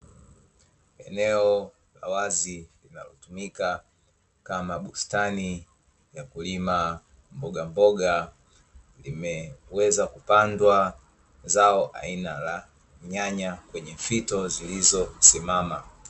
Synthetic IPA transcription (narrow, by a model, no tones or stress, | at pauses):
ɛnɛɔ | la̰wazilinalɔtumika | kamaɓustani | jakulima | mbɔɡambɔɡa | limɛwɛzakupandwa | zaɔʔa̰inala | ɲaɲakwɛɲɛfitɔzilizɔsimama